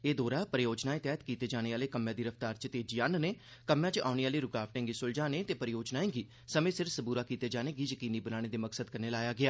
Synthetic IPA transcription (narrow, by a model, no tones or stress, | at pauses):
eːd̪oːɾaːpəɾɪjoːd͡ʒnaːẽːt̪jaːjət̪kiːt̪eːd͡ʒaːɽ̃eːaːleːkəmːjãːd̪iːɾəft̪aːɾt͡ʃət̪eːd͡ʒjaːnneː | kəmjãːt͡ʃa̰ːneːaːleːɾʊkaːfʈẽŋɡisʊld͡ʒaːneːt̪eːpəɾɪjoːd͡ʒnaːẽːɡiː | səmẽːsɪɾfsəbuːɾaːkiːt̪eːd͡ʒaːneːɡiːd͡ʒəkiːniːbənaːɽeːd̪eːməksəd̪kəɾneːlaːjaːɡɪaː